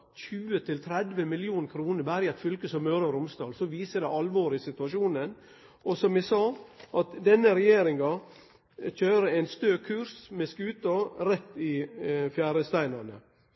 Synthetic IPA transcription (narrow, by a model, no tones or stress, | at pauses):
ɕʉːət̪ʰɪlt̪ʰɾɛd̪ʋəmɪlɪuːnkʰɾuːnəɾbæːɾəɛt̪fʏlkəsɔmːœːɾɑɾʊmst̪ɑ̰ːlsɔʋiːsəd̪ɛɑlʋoːɾɪsɪt̪ʉɑʂuːnən | ʔɔsɔmɛsɑːʔɑt̪d̪ɛnːəɾɛjeːɾɪŋɑ | çøːɾəæɪnst̪øːkʰʉɾsmɛskʉːt̪ɑɾɛt̪ːɪfjæːɾəst̪æɪnɑnə̰